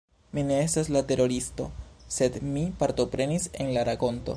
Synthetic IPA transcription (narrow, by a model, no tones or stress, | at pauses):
mine̞estaslate̞ɾo̞ɾisto̞̰se̞dmipaɾto̞pɾe̞nise̞nlaɾako̞nto̞̰